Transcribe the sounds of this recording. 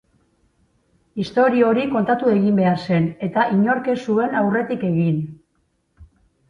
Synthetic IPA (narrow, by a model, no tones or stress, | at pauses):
ist̪o̞ɾioɾiko̞nt̪at̪ue̞ɣimbe̞aɾse̞ne̞t̪aʔiɲo̞ɾke̞sue̞nawre̞t̪ike̞ɣin